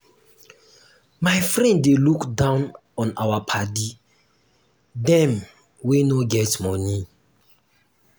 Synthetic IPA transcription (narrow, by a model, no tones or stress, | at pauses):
maɪfɹɛ̃ndːelukdãʊ̃n | ɔ̃na̰wapʰadi | dɛ̃m | wenoɡɛtmɔni